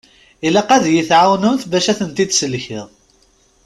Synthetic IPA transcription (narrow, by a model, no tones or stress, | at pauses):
ilæqæðjiθʕawnʊnθvæʃæθənt̪id̪səlçɪðˤ